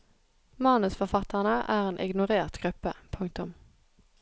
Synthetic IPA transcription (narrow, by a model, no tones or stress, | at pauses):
mɑnəsfɔfɑt̪ʰəʁnəʔæːʁeːnʔɪ̰ɡnʊʁeːʁt̪ɡ̥ʁʉpəpʰʊŋ̚t̪ʊm